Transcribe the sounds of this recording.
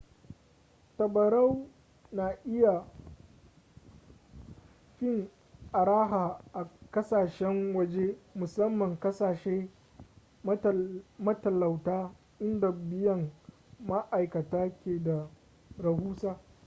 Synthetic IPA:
tɐ˨bɐ˨ɾɐ˦w | naː˨ʔɪ˦ja˨ | ɸɪ˦ŋ | ʔa˨ɽaː˦ɦaː˨ʔa˨kɐ˦saː˨ʃɛ˦ŋwɐ˦d͡ʒe˦mʊ˨sɐ˦mːɐ˨ŋkɐ˦saː˨ʃeː˦ | mɐ˦tɐ˨lɐ˨wtaː˦ | ʔɪ˦nda˨bɪ˦jɐ˦˨ŋ | ma˦ʔa˨jkɐ˨taː˦kʲeː˨da˨ | ɾɐ˨huː˦saː˦

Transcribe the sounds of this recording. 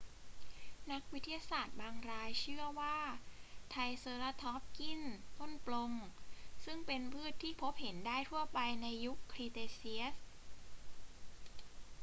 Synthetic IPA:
na˦˥k̚wi˦˥t̪ʰːi˧jaː˧saː˨˩t̪̚baː˧ŋɾaː˧jt͡ɕʰɯ˥˩ɐwaː˥˩t̪ʰa˧jsɤː˧la˧t̪ʰɔ˦˥p̚ki˥˩nt̪o˥˩nplo˧ŋsɯ˥˩ŋpe˧npʰɯː˥˩t̪ʰːiː˥˩pʰo˦˥p̚he˩˦ndaː˥˩jt̪ʰu˥˩ɐpa˧jna˧jːu˦˥kʰːɾiː˧t̪eː˧si˦˥f

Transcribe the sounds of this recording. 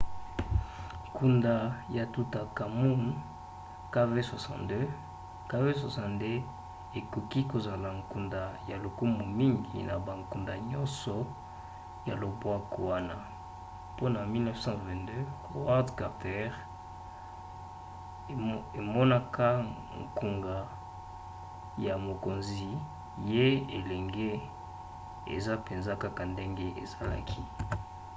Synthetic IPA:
ku˨nda˨ja˨tu˨ta˨ka˨mu˦n | ka˦ve˦swa˨sɑ̰̃˨dø˦ | ka˦ve˦s̬wa˨sɑ̃˨nde˦ | e˨ko˨ki˦ko˨za˨la˨ŋku˨nda˨ja˨lo˨ku˦mo˨mi˦ŋɡḭ˨na˨ba˨ŋku˨nda˨ɲɔ˦nsɔ˨ | ja̰˨lo˨bwa˦ko˨wa˦na̰˨ | po˦na˨mi˦lnɛ˦fsɑ̃˦vɛ̃˨ntdø˦ | o˨wa˦dka˨pɛ˦ʁ | e˨mɔ˦na˦ka˦ | ŋku˨ŋɡa˨ | ja˨mo˨ko˨nzi˨ | je˦e˨lɛ˨ŋɡe˦ | ḛ˨za˦pe˨nza˦ka˦ka˨nde˦ŋɡe˦ʔḛ˨za˦la̰˦kʰi˦

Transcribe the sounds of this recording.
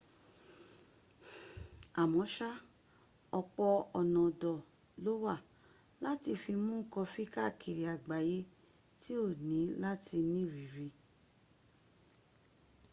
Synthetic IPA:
a˨mɔ̃˨˦ʃa˦ | ɔ˧k͡pɔ˧ɔ˨nɔ̃˨dɔ˨ | lo˦wa˦˨ | la˦ti˧˨fi˧mũ˦˨kɔ˧fi˦ka˦˨kʰi˨ɾi˨a˨ɡ͡ba˨je˦ | ti˦o˦˨nĩ˨˦la˦ti˧nĩ˦˨ɾi˨ɾi˧

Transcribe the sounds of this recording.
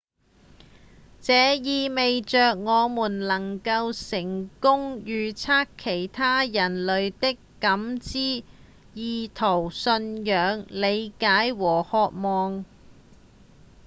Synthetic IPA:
t͡sɛː˨˧jiː˨˧me˨jt͡ʃœː˨k̚ŋɔː˨˧muː˨˩nlɐ˨˩ŋkɐ˧wsɪ˨˩ŋkʊ˥ŋjyː˨˧t͡sʰaː˥kʰːe˨˩jt̪ʰaː˥jɐ˨˩nlɵ˨˧ɥt̪ɪ˥kːɐ˨˥mt͡siː˥ | jiː˧t̪ʰo˨˩wsɵ˧njœː˨˧ŋle˨˧jkaː˨˥jwɔː˨˩hɔː˨k̚mɔː˨˩ŋ

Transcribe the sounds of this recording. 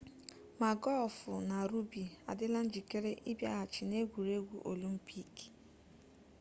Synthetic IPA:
ma˨ɡɔ˦˨fʊ˨na˨ɾu˦bi˨a̰˨dɪ˦la˦n̩˦d͡ʒi˨ke˦ɾe˦ʔi˦bja̰˦ɣa˨t͡ʃɪ˨ne˦ɡʷu˨ɾe˦ɡʷu˦ʔo˨li˦m̩˦pi˦ki̥˨

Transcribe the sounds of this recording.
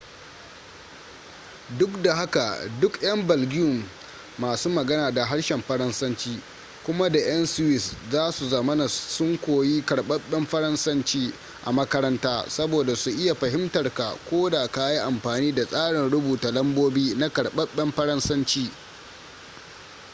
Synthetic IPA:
dʊ˦kda˨ɦa˦ka˨dʊ˦kj̰ɐ˦mbɐ˨lɡʲɪ˦ʊ˨mː | aː˨suː˦mɐ˨ɡɐ˦naː˨da˨ɦa˦ɽʃɛ˨mɸɐ˦ɾɐ˦nsɐ˦nt͡ʃiː˦ | kʷʊ˦ma˦da˨ʔɐ˦nsɪ˦wɪ˦˨szaː˦su˨zɐ˨mɐ˦na˨sʊ˦ŋkʷoː˨ji˦kɐ˨ɽɓɐ˦ɓːɛ˦mɸɐ˦ɾɐ˦nsɐ˦nt͡ʃiː˦ | ʔa̰˨mɐ˦kɐ˦ɾɐ˦ntaː˦sɐ˦boː˨da˨su˨ʔɪ˦ja˨ɸɐ˨ɦɪ˦mtɐ˨rka˨kʷoː˦da˨ka˦ji˦ʔa˨mɸaː˨niː˦da˨sʼaː˦ɽɪ˨nɽʊ˦buː˨ta˨lɐ˦mboː˦biː˦na˦kɐ˨ɽɓɐ˦ɓːɛ˦mɸɐ˦ɾɐ˦nsɐ˦nt͡ʃiː˦

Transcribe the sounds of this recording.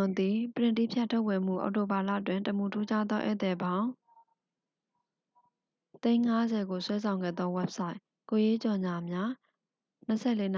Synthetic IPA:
d̪i˨pəɹɪ̃˨nti˦˨pʰjɛ˦tʰːo˦ʊpːwɛ˨m̥ṵ˦˨ʔa̰˨ʊto˨ba˨lä̰˦˨twɪ̃˨ntə˨mu˨tʰu˦d͡ʑa˦d̪ɔ˦ʔɛ̰˦˨t̪ɛ˨bã˦ʊ̃ | t̪ẽ˦ɪ̃ŋa˦zɛ˨ɡo˨swɛ˦s̬ʰã˨ʊ̃ŋɡɛ̰˦˨d̪ɔ˦wɛ˦p̚sa˦ɪʔ | ko˨je˦t͡ɕɔ˨ɲa˨mja˦ | n̥ə˨sʰɛ˦˨le˦n

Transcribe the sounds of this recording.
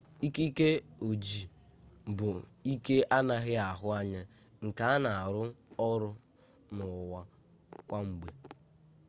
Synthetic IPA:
i˦ki˦ke˦o˨d͡ʒi˨ | bʊ˨i˦ke˦ʔa˦na˦ɣɪ˦a˨ɦʊ˦a˦ɲɪ˦ | ŋ̩˨ka˨a˦na˨a˨ɾʊ˦ɔ˦ɾʊ˦ | nʊ˨wa˦ | kʷa˦ŋ͡m̩˨ɡ͡be˨

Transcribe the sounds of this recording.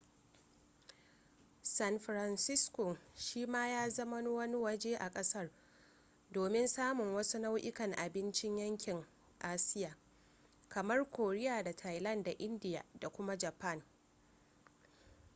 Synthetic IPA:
sɐ˦nɸɾɐ˨nsɪ˦skʷoː˨ʃiː˦maː˦jaː˦zɐ˦ma˦no˦wɐ˦ni˦wɐ˦d͡ʒeː˦ʔa˨kʼɐ˦sɐ˦r | doː˨mɪ˦nsaː˦mʊ˨ŋwɐ˦su˦na˦wʔɪ˦kɐ˨ŋʔa˨bɪ˦nt͡ʃɪ˦ɲjɐ˦ŋkʲɪ˨ŋ | ʔaː˦sɪ˦jaː˨ | kɐ˨mɐ˦rkʷoː˨ɾɪ˦jaː˨da˨tʰa˨jlɐ˦˨nda˨ʔɪ˦ndɪ˦ja̰ː˨da˨kʷʊ˦ma˦d͡ʒa˨pɐ˦˨n

